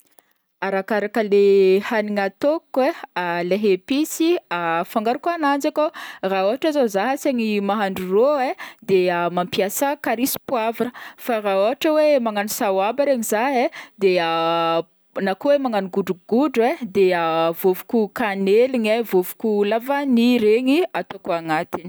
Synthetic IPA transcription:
aɾakaɾakəlehaniŋat̪okwealeɦepisiafaŋɡaɾukanand͡zakoraoɦaʈ͡ʂazozaɦaseɲimaɦaɳɖ͡ʐuroed̪eamampjasəkaɾisi̥pwavanəfaraoɦaʈ͡ʂəwemaŋanusawabaɾeŋizaɦed̪ea | nakowemaŋanuɡuɖ͡ʐuɡuɖ͡ʐwed̪eavovu̥kukaneliɲavovu̥kulavaniɾeɲiat̪okaŋat̪ini̥

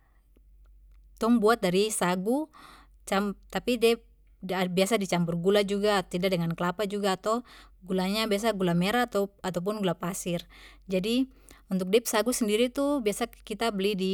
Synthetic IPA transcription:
t̪ɔŋbuat̪̚daɾisaɡu | t͡ʃamt̪apidɛp̚ | abiasadit͡ʃampurɡulad͡ʒuɡat̪idadɛŋankəlapad͡ʒuɡaːt̪awɡulaɲabias̬aɡulamɛɾat̪at̪ap̬unɡulapasird͡ʒadi | unt̪uk̚dɛp̚saɡusəndiɾit̪ubiasakit̪abəlidi

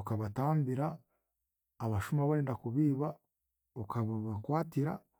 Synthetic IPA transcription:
okaβataːmbiɾaː | βaʃumaβaeːndakuβiːβa | okʰaβaβakwaːtiɾa̰

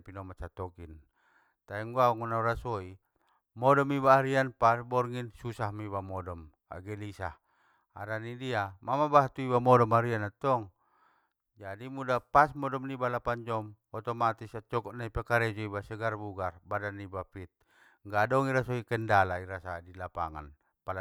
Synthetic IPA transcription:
pinɔmat͡ʃat̪ɔkin | t̪aɛŋɡuauŋɔnauɾasɔi | mɔdɔmibaːɾianpasbɔrŋinsusahmibamɔdɔm | a̰ɡɛlisah | a̰ɾanidiamamabaɦt̪uibamɔdɔmaɾianat̪ɔŋ | d͡ʒadimudapasmɔdɔmnibalapaɲd͡ʒɔmɔt̪ɔmat̪isat͡ʃɔkɔʔnaipɛkaɾɛd͡ʒɔibasəɡarbuɡarbadanːibapit̪̚ | ŋɡadɔŋiɾasɔikɛndalaiɾasadilapa̰ŋa̰n | pala

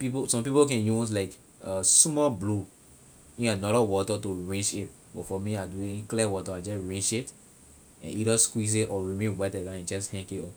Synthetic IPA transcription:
piposɔ̃mpipokɛ̃njuslaɪk | ɔsmɔblu | ĩnanɔɾawɔtatoɹẽnd͡ʒit | bɔfɔmiaduĩklɛwɔtaad͡ʒɔsɹẽnd͡ʒit | ɛ̰̃nid͡ʒɔskwis̬etɔɹimẽnwɛtɛdãɛ̃d͡ʒɔshɛ̃ŋkitɔ

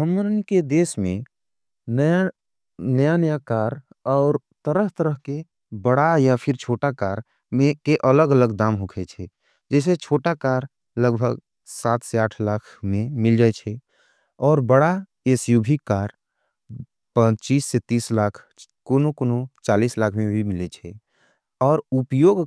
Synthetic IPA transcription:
əmɾənked̪eːsmẽ | nəa | nəjanəjakaːɾ | ɔːɾ | t̪əɾəɦt̪əɾəɦke | bəɽajapʰɪɾt͡ʃʰoːʈakaːɾ | mẽkeʔələɡələɡd̪aːmɦukʰɛt͡ʃʰɛ | d͡ʒɛːset͡ʃʰoːʈakaɾ | ləɡbʱəɡ | sat̪ʰseaːʈʰlaːkʰmẽmɪld͡ʒaːɛt͡ʃʰɛ | ɔːɾbəɽa | esjubʱikaɾ | pə̃t͡ʃiːsːet̪iːslakʰ | konokonot͡ʃaːlislaːkʰmẽbʱimilet͡ʃʰɛ | ɔːɾupjoɡ

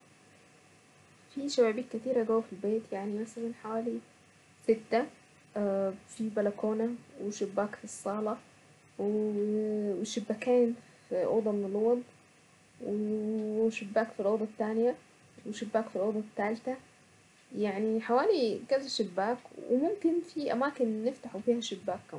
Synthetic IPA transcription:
fiʃæbæːbiːt̪̚kæt̪iːɾæɡæwːæfilbeːt̪jaʕnimæsælænħawæːli | sɪt̪ːæ | fibælækoːnæweʃɪbːæːkfisˤːɑːlɑ | w | weʃɪbːækæːn | fiʔo̰ːd̪ˤɑmɪnɪlowɑd̪ˤ | weʃɪbːaːkfilʔoːd̪ˤɑt̪ːaːnja | wɪʃɪbːaːkfilʔoːd̪ˤɑt̪ːaːlt̪a | jaʕniħawaːlikæzæʃɪbːaːkwɪ̰mʊmkɪnfiʔa̰maːkɪnːɪft̪aħufiːhæʃɪbːaːkːa

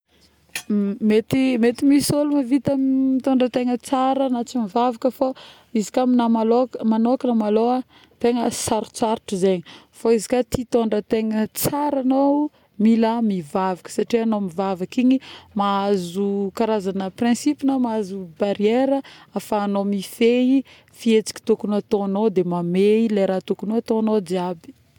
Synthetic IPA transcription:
met̪imet̪imisolumavit̪amit̪oɳɖ͡ʐət̪eŋət͡saɾənat͡simivavakəfa | izikaminamalokmanokənamaloa | t̪eŋəsaɾu̥t͡saɾuʈ͡ʂizeɲi | foizi̥kat̪it̪oɳɖ͡ʐət̪eŋət͡saɾano | miləmivavakə̥saʈ͡ʂianomivavakiɲimaazukaɾazanəprɛ̃sipinomaazubaɾieɾəafaːnomifei | fiet͡si̥ki̥t̪ukunuat̪oanod̪emameilejɾat̪ukunuat̪onod̪iabi̥

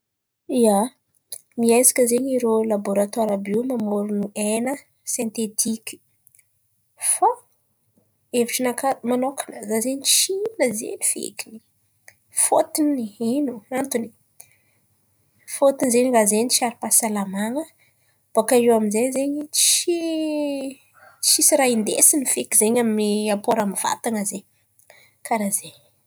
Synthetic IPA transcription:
ia | miajzi̥kʲəzeɲiɾolaboɾat̪waɾabiwmamoɾunuenə | sent̪et̪ʰikʲi̥ | fa | eviʈ͡ʂənakamanokanəzazeɲit͡ʃinəzḛnifḛkini̥ | fot̪iniinuant̪uni̥ | fot̪inzenirazent͡ʃiaɾipasalamaŋə | b̥okaewaminzezeɲit͡ʃi | t͡ʃisiɾaind̪ḛsinifekizeɲaminiapoɾamiv̥a̰t̪aŋaze | kaɾaze

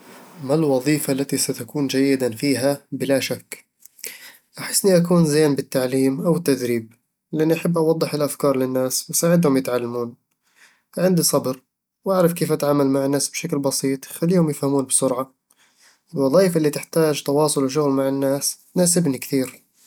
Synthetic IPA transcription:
malwɑðˤiːfalːat̪isat̪akuːnd͡ʒajːɪd̪afiːɦabɪlaʃakː | ʔaħɪ̥sːniʔakuːnzeːnbɪt̪ːaʕliːmʔawɪt̪ːad̪ɾiːb̚ | lɪʔanːiʔaħabːʔɑwɑd̪ˤːɨħɪlʔafkɑːɾˤlɪnːaːswɪsaːʕɪd̪hʊmjɪt̪ʕalːamuːn | ʕɪnd̪isˤɑbɾ | wʔaʕɾˤɑfkeːfʔat̪ʕaːmalmaʕɪnːaːsbʃaklbɑsiːt̪ˤxalːiːhʊmjɪfhamuːnbɪsʊɾʕa | ɪlwɑðˤiːfaʔɪlːiːt̪ɪħt̪aːd͡ʒt̪ɑwɑːsˤʊlwʃ̬ʊɣlmaʕɪnːaːs | naːsɪbnikθiːɾ

